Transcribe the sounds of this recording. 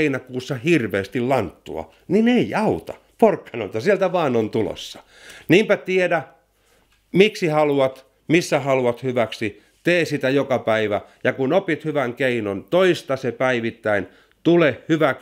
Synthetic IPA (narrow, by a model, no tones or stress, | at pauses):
inækuːsːɑhirʋeːst̪illɑnt̪ːṵɑ̰ | nineiɑut̪ɑ | porkːɑno̰nt̪ɑsielt̪æʋɑːnont̪ulo̰sːɑ̥ | niːmpæt̪iedæ | miksihɑluɑt̪ | misːæhɑluɑt̪hyʋæksi | t̪eːsit̪æjokɑpæiʋæjɑkunopit̪hyʋæŋkeinont̪oist̪ɑsepæiʋit̪ːæin | t̪ulehhyʋæk